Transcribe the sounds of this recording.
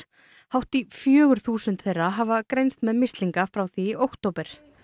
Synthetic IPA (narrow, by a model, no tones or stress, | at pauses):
hawht̪ifjœːɣʏɾ̥θuːsʏnt̪θejrːaɦavakɾejnst̪mɛðmɪst̪liŋkafɾawθiowkt̪owpɛɾ̥